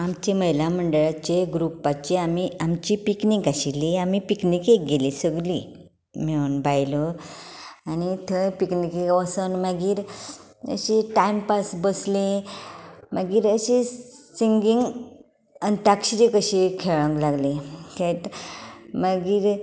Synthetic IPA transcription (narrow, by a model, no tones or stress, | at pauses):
amt͡ɕeməjlam̤əɳɖəɭat͡ɕeɡɾupat͡ɕeamiamt͡ɕipiknikaɕiliamipiknikek̚ɡelisəɡli | meunbajlɔ | anit̪ʰəpiknikeɡʋəsənməɡiːɾ | ə̰ɕiʈajmpasbəslẽ | məɡiːɾəɕisiŋɡiŋɡ | ant̪akɕiɾikəɕikʰeɭə̃ŋklaɡlĩkẽt̪ | məɡiːɾ